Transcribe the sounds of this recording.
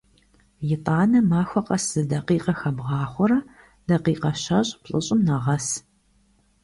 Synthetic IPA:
jɪtʼaːnɐmaːxʷɔqɐsɨdɐqiːqɐxɐbʁɑːχʷɔɾɐ | d̥ɐqiːqɐɕɐɕʼpɬʼɨɕʼɪmnɐʁɐs

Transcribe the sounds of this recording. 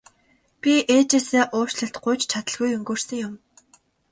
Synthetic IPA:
pʲiʔeːt͡ɕeːsæːʔʊ̥ːt͡ɕɮə̆ɬt̪ɢʊjt͡ɕt͡ɕʰat̪ə̆ɮɣujɵŋɡɵːrsɘ̆ŋjʊm

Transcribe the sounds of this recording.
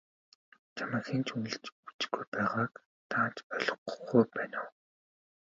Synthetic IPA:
t͡ɕʰamə̆xent͡ɕujɮɘ̆t͡ɕut͡s̆ɡujpæːʁaːk | t̪ʰaːt͡ɕœɮɞ̆qχujpæːnaw

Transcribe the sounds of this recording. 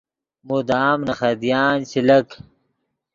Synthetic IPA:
mud̪aːmnɐχɐd̪jaːnɕilɐk

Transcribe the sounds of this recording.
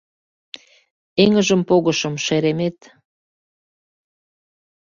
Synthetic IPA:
eŋə̆ʒə̆mpoɣə̆ʃɤ̆mʃeɾemet̪

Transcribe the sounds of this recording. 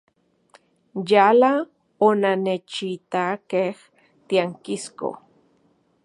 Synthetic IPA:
jala | onanet͡ʃit̪akeh | t̪iaŋkisko̰

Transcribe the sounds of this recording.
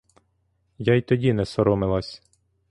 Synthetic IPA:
jajt̪ɔdʲinɛsɔɾɔmɪlˠasʲ

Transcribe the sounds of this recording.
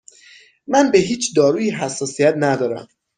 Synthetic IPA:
mænbeɦiːt͡ʃʰd̪ɒːɾuːjiɦæsːɒːsijæt̪næd̪ɒːɾæ̰m

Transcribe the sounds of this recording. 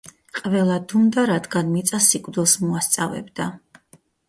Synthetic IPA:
qʼvɛlˠad̪und̪aɾad̪ɡanmit̪sʼasikʼvd̪ɛlˠsmuast̪sʼavɛ̰bd̪a

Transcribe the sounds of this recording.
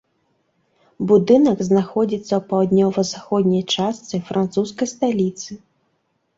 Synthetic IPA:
bud̪ɨnɐɡznaxɔd͡zʲit̪sːɐwpawd̪ʲnʲɔvɐzaxɔd̪ʲnʲɐjt͡ʂast̪sɨfɾant̪suskɐjst̪alʲit̪sɨ

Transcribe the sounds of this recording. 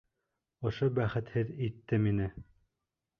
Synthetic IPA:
ŏʃobæχɘ̆t̪hɘðit̪ːɘminɘ

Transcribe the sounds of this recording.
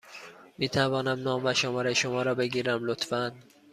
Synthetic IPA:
miːt̪ʰævɒːnæmnɒːmvæʃomɒːɾeʃomɒːɾɒːbe̞ɡiːɾæmlot̪fæn

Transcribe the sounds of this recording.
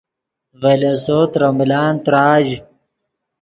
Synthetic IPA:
velesoːt̪ɾɐmilaːnt̪ɾaːʑ

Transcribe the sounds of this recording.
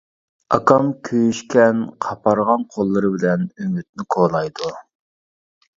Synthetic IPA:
ɑ̰kʰɑmkʲʰøjyʃkʲʰɛnqʰɑpʰɑɾʁɑnqʰolˠːɨɾɨbɪlɛnymyt̪̚nɪkʰoːlˠɑjd̪u

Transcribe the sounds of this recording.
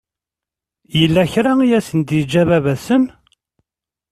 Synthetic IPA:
jəlːæçɾaijæsənd̪id͡ʒːævævæsən

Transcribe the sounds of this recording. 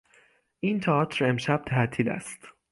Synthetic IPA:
ʔiːnt̪ʰɒt̪ʰɾe̞mʃæb̥̚t̪ʰæʔt̪ʰiːlæ̰st̪

